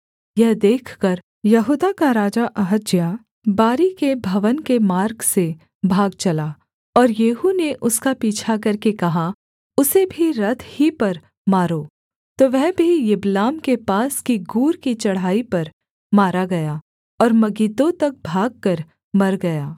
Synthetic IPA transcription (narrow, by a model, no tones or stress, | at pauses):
jɛɦd̪eːkʰkɐɾ | jɐɦuːd̪akaɾaːd͡ʒaʔɐɦət̪d͡ʒjaː | baːɾikebʱɐʋənkemaːɾɡse | bʱaːɡ̚t͡ʃɐlaː | ɔːɾjeːɦuneʔʊskapiːt͡ʃʰakɐɾkekɐɦa | ʊsebʱiɾɐt̪ʰhipɐɾ | maːɾoː | t̪oːʋɛɦbʱijɪblaːmkepaːskiɡuːɾkit͡ʃɐɽ̤aːipɐɾ | maːɾaɡɐjaː | ɔːɾmɐɡiːt̪õt̪ɐk̚bʱaːɡ̚kɐɾ | mɐɾɡɐjaː